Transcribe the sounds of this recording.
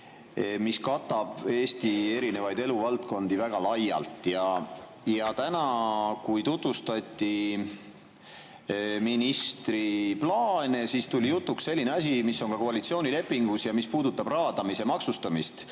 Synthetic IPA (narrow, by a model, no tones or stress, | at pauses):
miskɑt̪ːˑɑb̥e̞ːst̪ie̞ɾine̞vɑjd̪e̞luvɑlt̪ko̞nd̪̥ivæɡ̥ɑlɑjːɑ̰lt̪ˑjɑ | jɑt̪ænɑkujt̪ut̪vust̪ɑt̪ʲːˑi | minist̪ɾiplɑːnesist̪ulʲijut̪ˑːuksse̞lʲːine̞ɑs̬ʲimisːo̞ŋkɑko̞ɑlit̪sioːnʲile̞pːiŋɡ̥usjɑmispuːd̪ut̪ːˑɑb̥rɑːd̪̥ɑmise̞mɑksust̪ɑmist̪